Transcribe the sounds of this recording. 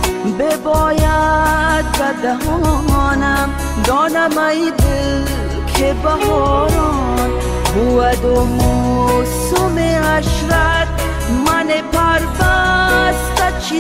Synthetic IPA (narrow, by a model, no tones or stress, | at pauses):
bebɔːjat̪̚bɐd̪ɐɦɔnɐm | d̪ɔnɐmɐib̪ɨ | kʰebɐɦɔːɾɔ | n | buwɐd̪omusumeɐʃɾɐt̪̚ | mɐnepʰɐɾbast̪ɐt͡ʃʰi